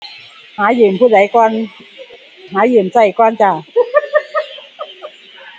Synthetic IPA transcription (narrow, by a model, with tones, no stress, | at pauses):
haː˨˦˥jɯ˨˩mpʰuː˧˩da˨˩˦jkɔː˧n | ɦaː˨˦jɯ˧˨˩msa˧˩jkɔː˧˨nt͡ɕa˧˩